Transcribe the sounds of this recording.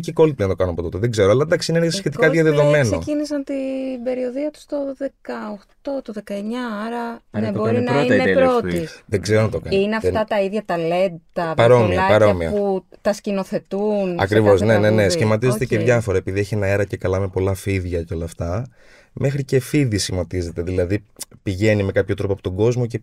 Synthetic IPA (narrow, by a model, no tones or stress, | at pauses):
ciko̞lpinɐt̪o̞kɐnɐpo̞t̪o̞t̪eðeɡze̞ɾoɐlɐnd̪ɐksiinensçe̞t̪ikɐðʝɐðeðo̞me̞nnoecinisɐnt̪ibe̞ɾio̞ðiɐt̪u̥st̪o̞ðekɐoxt̪o̞t̪oðekɐeɲɐɐɾɐneboɾnɐineɾot̪iðeɡzeɾonɐt̪okanineɐft̪ɐt̪ɐiðʝɐt̪ɐle̞t̪ɐpɐɾo̞mliɐɐpɐɾoɐmiɐ̰put̪ɐscino̞θe̞t̪unɐ̰kɾivo̞zne̞ne̞nesçimɐt̪izet̪eceʝɐfo̞ɾɐepiðie̞çienɐe̞ɾɐce̞kɐlɐmepo̞lɐfiðʝɐceo̞lɐːft̪ɐ | mʔe̞xɾice̞fiðisçimot̪ize̞t̪e̞ðilɐðipiʝe̞nime̞kɐpçot̪ɾo̞poɐpot̪oɡo̞zmo̞ce̞